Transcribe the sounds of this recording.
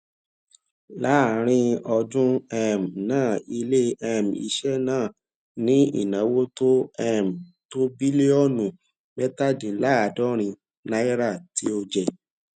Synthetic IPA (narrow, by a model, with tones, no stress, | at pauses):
la˦˨˦ɾ̃ĩ˦ɔ˧dũ˦ɛ˦˨m˨nãː˦˨i˧le˦ɛ˧˨m˨ḭ˧ʃɛ˦nãː˦˨ | nĩ˦ḭ˦˨nã˨˦wo˦to˦ɛ˦˨m˨ | to˦bi˦le˦ɔ˦nũ˨ | bɛ˦ta˦˨dĩ˨˦la˦a˨dɔ˦ɾ̃ĩ˧ | na˦ɛ˦ɾa˦˨ti˨˦o˧d͡ʒɛ˨